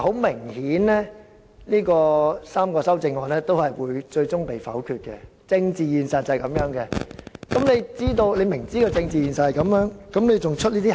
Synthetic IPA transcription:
ho˨˥wmɪ˨˩ŋhiː˨˥nlɛː˥ | niː˥kɔː˧saː˥mkɔː˧sɐ˥wt͡sɪ˧ŋːɔː˨˧nɛː˥t̪o˥whɐ˨jwuː˨˧jt͡ʃɵ˧ɥt͡sʊ˥ŋpe˨jfɐ̰˨˥wkʰyː˧t̚kɛ˧ | t͡sɪ˧ŋt͡siː˨jiː˨nsɐ˨t̚t͡sɐ˨jkɐ˨˧˥mjœː˨˥ŋkɛ˧kɐ˨˥mne˨˧jt͡siː˥t̪̬o˧wle˨˧jmɪ˨˩ŋt͡siː˥kɔː˧t͡sɪ˧ŋt͡siː˨˩jiː˨˩nsɐ˨t̚hɐ˨jkɐ˨˥mjœː˨˥ŋkɐ˨˥mle˨˧jt͡sʊ˨ŋt͡ʃʰɵ˥t̚liː˥t̪iː˥

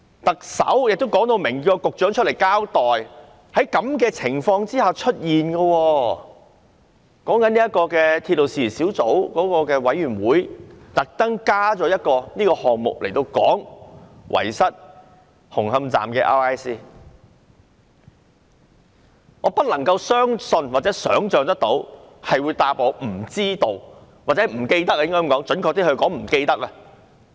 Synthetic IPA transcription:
t̪ɐ˨k̚sɐ̰˨˥wjɪ˨k̚t̪wkɔː˨˥ŋt̪o˧wmɪ˨˩ŋɔː˧kʊ˨k̚t͡ʃœː˨˥ŋt͡ʃʰɵ˥t̚le˨˩jkaː˥wt̪ɔː˨j | hɐ˨˥jkɐ˨˥mkɛː˧t͡sʰɪ˨˩ŋfɔː˧ŋt͡siː˥haː˨wt͡ʃʰɵ˥t̚jiː˨nɡɐ˧wɔː˧ | kɔː˨˥ŋkɐ˨˥niː˥jɐ˥kːɔː˧kɛː˧t̪ʰiː˧t̚lo˨wsiː˧˨˩siː˨˥wt͡so˨˥wkɔː˨˥kɔː˧kɛː˧wɐ˨˥jɥyː˨˩nwuː˨˥jt̪ɐ˨k̚t̪ɐ˥ŋkaː˥t͡sɔː˨˥jɐ˥t̚kɔː˧niː˥kɔː˧hɔː˨˩ŋmʊ̰˨k̚lʔe˨˩jt̪o˧wkɔ̰ː˨˥ŋwʔɐ̰˨˩jsɐ˥t̚ | hʊ˨˩ŋhɐ˧mt͡sa̰ː˨mkɛ̰ː˧ʔa̰ː˥aː˥jsiː˥ | ŋɔː˨˧pɐ˥t̚lɐ˨˩ŋkɐ˧wsœː˥ŋsɵ˧nwaː˨t̚t͡sɛː˨˥sœ̰ː˨˥ŋt͡ʃœː˨ŋt̪ɐ˥k̚t̪o˨˥whɐ˨jwuː˨˧jt̪aː˧p̚oː˨˧m̩˨˩t͡siː˥t̪o˨wwaː˨t̚t͡sɛ˧˥˩m̩˨˩ke˧jt̪ɐ˥k̚a˧jŋkɔ˥jŋkɔː˨˥ŋt͡ʃɵ˨˥nkʰɔ˧k̚t̪iː˥hɵ˧ɥkɔː˨˥ŋm̩˨˩ke˧jt̪ɐ˥k̚ɐ˧

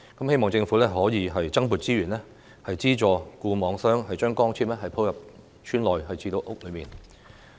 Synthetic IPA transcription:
kɐ˨˥mhe˥jmɔː˨˩ŋt͡sɪ˧ŋfuː˨˥lɛː˥ɦɔː˨˥jiː˨˧ɦɐ˨jt͡sɐ˥ŋpuː˨t̚t͡siː˥ɥyː˨˩nlɛ˥ | hɐ˨jt͡siː˥t͡ʃɔː˨kuː˧mɔː˨˧ŋsœː˥ŋhɐ˨jt͡ʃœː˥ŋkɔː˥ŋt͡sʰiː˥mlɛː˥ɦɐ˨jpʰo˥wjɐ˨p̚ | t͡ʃʰyː˥nlɔː˨jɦɐ˨jt͡sʰiː˧t̪o˧wʔʊ˥k̚lɵ˨˧ɥmiː˨˩n

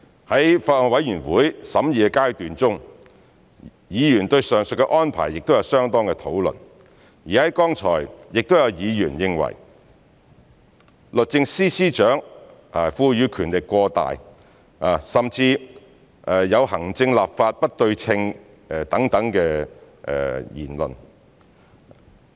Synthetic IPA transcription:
hɐ˨˥jfaː˧t̚ɔː˨˧˩wɐ˨˥jyː˨˩nwuː˨˥jsɐ˨˥mjiː˨ɛ˧kaː˥jt̪yː˨nt͡sʊ˥ŋ | jiː˨˧jyː˨˩nt̪ɵ˧ɥsœː˨˩ŋsɵ˨kːɛ˧ʔɔː˥npʰa̰ː˨˩jːɪ˨k̚t̪o˥wjɐ˨˧wsœː˥ŋt̪ɔː˥ŋkɛ˧t̪ʰo̰˨˥wlɵ̰˨˩n | jiː˨˩hɐ˨˥jkɔː˥ŋt͡sʰɔ̰ː˨˩jjɪ˨k̚t̪o˥wjɐ˨˧wjiː˨˧jyː˨˩njɪ˧ŋwɐ̰˨˩j | lɵ˨t̚t͡sɪ˧ŋsiː˥siː˥t͡ʃœː˨˥ŋʔa˨˩fuː˧jyː˨˧kʰyː˨˩nlɪ˨kʷːɔː˧t̪a̰ː˨j | a˨˩sɐ˨mt͡siː˧ | ʔɛ˨˩jɐ˨˧whɐ˨˩ŋt͡sɪ˧ŋlaː˨p̚faː˧t̚pɐ˥t̚t̪ɵ˧ɥt͡sʰɪ˧ŋ | ɛ˧t̪ɐ˨˥ŋt̪ɐ˨˥ŋkɛː˧ | ʔɛ̰˨˧jiː˨˩nlɵ̰˨n

